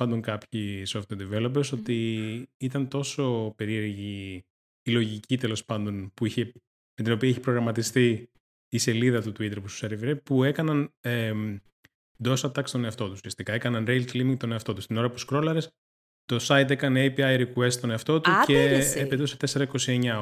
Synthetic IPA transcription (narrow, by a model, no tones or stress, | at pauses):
ɐnd̪o̞ŋkɐpçisoft̪eɾd̪ivelo̞peɾso̞t̪iit̪ɐnt̪o̞so̞pe̞ɾie̞ɾʝiː | lo̞ʝicit̪e̞lo̞spɐnd̪o̞npuiçe | met̪ino̞piɐɛçi̥pɾo̞ɣɾɐmɐt̪ist̪iː | se̞liðɐt̪ut̪uit̪e̞ɾpust̪useɾivɾepue̞kɐnɐne | d̪o̞sɐt̪ɐkst̪o̞ne̞ɐft̪o̞t̪usiɐst̪ikɐe̞kɐnɐnɾejlt̪limiŋɡt̪o̞ne̞ɐft̪o̞t̪ust̪ino̞ɾɐput̪uskɾo̞lɐɾes | t̪o̞sɐjt̪̬ekɐneejpiɐjɾikue̞st̪t̪o̞neɐft̪o̞t̪ueepet̪uset̪e̞se̞ɾɐiko̞sie̞ɲɐ